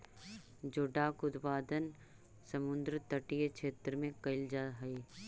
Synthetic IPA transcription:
d͡ʒoːɖaːkʊd̪paːd̪ən | səmʊ̃nd̪ɾət̪əʈijekʃeːt̪ɾəmẽkɐɪld͡ʒaːɦɐi

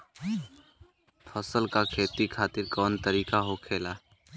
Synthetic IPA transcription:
pʰəsəlkakʰeːt̪ikʰaːt̪ɪɾkɔːnt̪əɾiːkaɦokʰeːlaː

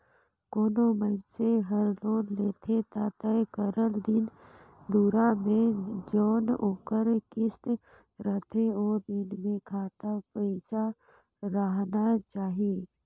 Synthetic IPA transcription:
koːnomənseɦəɾloːnleːt̪ʰet̪at̪ɛkəɾəld̪ɪn | d̪uːɾamẽd͡ʒoːnoːkəɾkɪst̪ | ɾət̪ʰeoːɾd̪ɪnmẽkʰaːt̪apəɪsa | ɾəɦnat͡ʃaːɦije

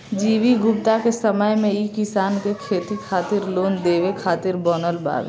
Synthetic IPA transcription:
d͡ʒiːʋiɡʊp̚t̪akesəməjmẽikɪsaːnkekʰeːt̪ikʰaːt̪ɪɾloːnd̪eːʋekʰaːt̪ɪɾbɔːnəlba̰ːʋḛ

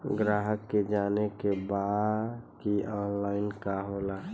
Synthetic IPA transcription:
ɡɾaːɦəkːed͡ʒanekebaddkiɔːnlaɪnkaɦola

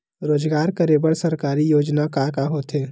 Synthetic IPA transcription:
ɾoːd͡ʒɡaːɾkəɾeːbəɽsɐɾkaːɾijoːd͡ʒnakaːkaɦoːt̪eː

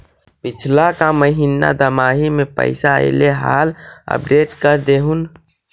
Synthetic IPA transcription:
pɪt͡ʃʰlakaməɦina̰d̪əmaːɦimẽpə̰ɪsaḛleɦa̰ːlə̰pɖeːʈkəɾd̪eːɦun

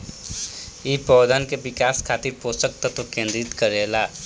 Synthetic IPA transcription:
ipɔːd̪ankeʋɪkaːskʰaːt̪iɾpoːsək̚t̪ət̪okẽːnd̪ɾɪt̪kəɾeːlaː

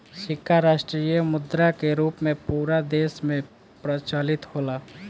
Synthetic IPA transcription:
ʃɪkʰːaɾaːʃʈɾiːjəmʊd̪ɾakeɾuːpmẽpuːɾad̪eːsmẽ | pɾət͡ʃaːlɪt̪hoːlaː

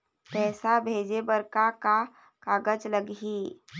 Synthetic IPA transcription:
pɛːsabʱeːd͡ʒebəɾkaka | kaːɡəd͡ʒləɡiː

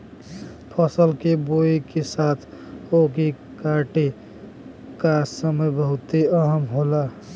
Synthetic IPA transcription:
pʰəsəlkeboikesat̪ʰ | okekaʈe | kasəməjbəɦʊt̪eəɦəmɦola

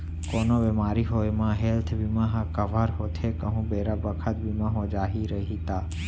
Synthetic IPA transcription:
koːnoʋemaːɾiɦojmãɦelt̪ʰʋimãɦãkəʋaɾɦot̪ʰekəɦũbeɾabəkʰət̪̚bimãɦod͡ʒaɦiɾəɦit̪aː

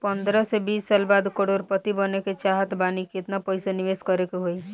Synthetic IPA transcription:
pənd̪ɾəsebisːalbad̪kəɽoɾpət̪ibəneket͡ʃaɦət̪baniket̪napəjsaniʋeskəɾekeɦoi

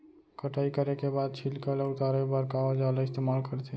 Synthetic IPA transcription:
kəʈʰaikəɾekebad̪̚t͡ʃʰilkəleut̪aɾebəɾkaɔd͡ʒalaɪst̪emalkəɾt̪ʰɛ

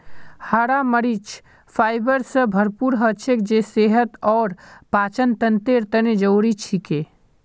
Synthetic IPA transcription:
haɽaməɾit͡ʃʰ | fʰaːɪbəɾsəbʱəɾpuːɾɦət͡ʃʰekd͡ʒeseːɦət̪ɔːɾpaːt͡ʃənt̪ənt̪eɾt̪əned͡ʒəwɾit͡ʃʰike

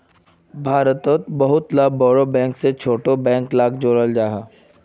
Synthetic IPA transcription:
bʱaːɾət̪ot̪bɐɦʊt̪laːbɔːɾobɛ̃ːŋkset͡ʃʰoːʈobɛ̃ːŋklaːkd͡ʒoːɾəld͡ʒaːɦaː

